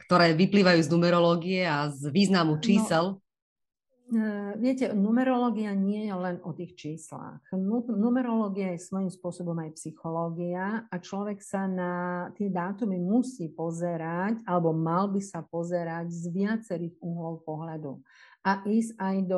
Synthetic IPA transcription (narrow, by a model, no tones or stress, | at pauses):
kt̪ɔɾɛːʋipliːʋajuːznumɛɾɔlɔːɡiɛazʋiːznamut͡ʃiːsɛl | ʋɪɛcɛnumɛɾɔlɔːɡiaɲɪɛjɛlɛnɔt̪iːxt͡ʃiːsla̰xnunumɛɾɔlɔːɡiajɛsʋɔimspʊɔsɔbɔmajpsixɔlɔːɡiaat͡ʃlɔʋɛksanat̪ɪɛd̪aːt̪umimusiːpɔzɛɾacalɛbɔmalbisapɔzɛɾaɟzʋɪat͡sɛɾiːɣuːɦlɔlpɔɦlad̪ṵaʔiːs̬cajd̪ɔ